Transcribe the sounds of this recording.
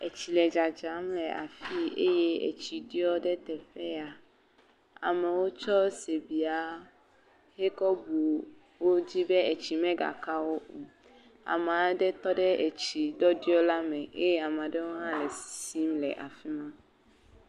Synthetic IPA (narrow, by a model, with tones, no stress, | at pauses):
e˨t͡ɕi˨lɛ˨d͡ʒa˨d͡ʒa˨˦mlɛ˨ʔa̰˨fi˦e˦je˦ḛ˨t͡ɕi˨ɖi˦ɔ˦ɖɛ˦t̪ɛ˨ɸɛ˦a˨ | a̰˨mɛ̃˨wo˦t͡ʃɔ˦se˨bi˨a˨˦ | he˦kɔ˦bu˨ | wo˦d͡ʑi˦be˦e˨t͡ɕi˨mɛ̃˦ɡa̰˨ka˦wo˦ʔu˨ | a̰˨mã˨ɖɛ˦t̪ɔ˦ɖɛ˦e˨t͡ɕi˨ɖɔ˦ɖi˦ɔ˦la˦mɛ̃˨ʔe˦jɛ˦a˨m˨ã˨ɖɛ˦wo˦ɦã˦lɛ˨ssi˦mlɛ̰˨ʔa̰˨fi˦mã˦